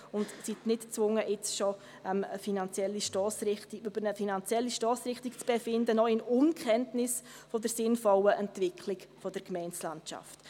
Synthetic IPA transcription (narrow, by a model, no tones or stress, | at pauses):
ʊntsitnɪtt͡sʋʊŋːəʔɪt͡sʃɔ | ɛməfinɑnt͡sjɛlːiʃtɑːsɾɪtiyb̥əɾnəfinɑnt͡sjɛlːiʃtɑːsɾɪχtikt͡sb̥efɪndənɔɪnʊnkχɛntnɪsfɔdəɾsɪnfɔləʔɛntvɪkʰlɪkfɔdəɾkmɛɪnt͡slantʃa̰ft